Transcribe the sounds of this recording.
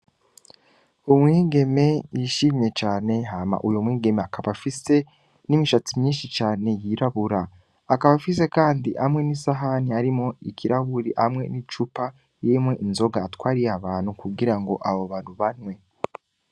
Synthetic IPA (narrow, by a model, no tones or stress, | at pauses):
umŋiːɡe̞me̞jiʃiːmɲe̞t͡ʃaːne̞ɦaːma̰ʔujomwiːɡe̞meakaβafise̞ | nimiʃat͡simɲiːnʃit͡ʃaːne̞jiɾaβuɾaː | kaβafise̞kaːndiʔamŋe̞nisaɦaniaɾimo̞ikʰiɾʔaβuɾiʔamŋe̞nit͡ʃupa | jimweʔinzo̞ɡaːtwaːɾijaβaːn̥hukuɡiɾaŋɡo̞ʔaβoβaːnhuβanwe̞